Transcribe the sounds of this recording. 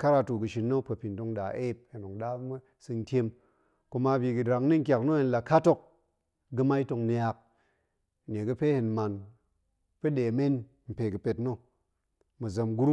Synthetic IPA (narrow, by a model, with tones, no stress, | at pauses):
ka˦ɾa˧tu˨ɡɨ˨ʃi˧nːo˦pɐ˨pʲi˨nto˧ŋɗa˨ʔe˦p̚e˨no˨ŋɗa˦m˦ | sɨ˧n˦tʲe˧m | ku˧ma˧bʲi˧ɡɨ˨dɾa˨ŋni˦ŋ̩˦kʲa˨kno˦je˧˦nla˨ka˦to˦k̚ | ɡɨ˧ma˦i˦to˧ŋni˧ja˧k̚ | nʲe˨ɡɨ˧pe˦he˨nma˨n | pe˦ɗe˨me˦n | m̩˨pe˨ɡɨ˨pe˧tno˦ | mɨ˨zɐ˧mɡu˦ɾu˦